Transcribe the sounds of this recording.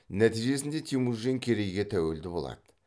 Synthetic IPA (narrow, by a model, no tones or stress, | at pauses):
næt̪ijʒe̞sɪnd̪e̞t̪ʰimuzɡʲeŋkʲʰe̞ɾe̞jɡʲe̞t̪ʰæwe̞ld̪ɪbo̞lˠɑ̰d̪̥ə